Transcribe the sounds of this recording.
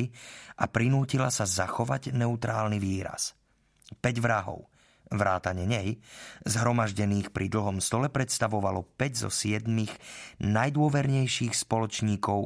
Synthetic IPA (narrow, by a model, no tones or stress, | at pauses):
iʔapɾinuːcilasazaxɔʋaɟnɛut̪ɾaːlniʋiːɾa̰s | pɛɟʋɾaɦɔ̰ʊ | ʋɾaːt̪aɲɛɲɛjzɦɾɔmaʒɟɛniːxpɾʔid̪l̩ɦɔmst̪ɔlɛpɾɛt̪st̪aʋɔʋalɔpɛɟzɔ̰sɪɛd̪miɣnajd̪ʊɔʋɛɾɲɛjʃiːxspɔlɔt͡ʃɲiːkɔʊ